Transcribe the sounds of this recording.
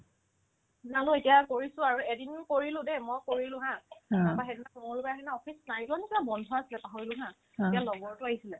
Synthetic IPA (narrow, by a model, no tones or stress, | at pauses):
nalʊ̃etijakoɹisʊ̃aɹuɛdinkoɹilʊ̃dɛmɔjkoɹilʊ̃ɦãabaɦɛdinakɔmɔlʊbaaɦɛnaɔfʰisnaɹiklanetibabɔndʱɔasilɛpaɦɔɹilʊ̃ɦã | ejalɔbɔɹtʊaɦisilɛ